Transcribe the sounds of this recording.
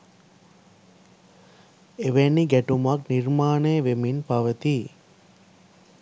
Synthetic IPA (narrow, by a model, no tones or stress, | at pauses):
eʋenːiɡæʈumakniɾmaːnejəʋeminpaʋət̪i